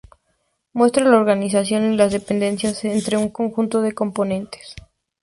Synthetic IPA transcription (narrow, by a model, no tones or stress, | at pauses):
mwe̞st̪ɾalaoɾɣanisasjo̞nilazðe̞pe̞nd̪e̞nsjasent̪ɾe̞uŋko̞ŋxunt̪o̞ð̞e̞ko̞mpo̞nẽ̞nt̪e̥s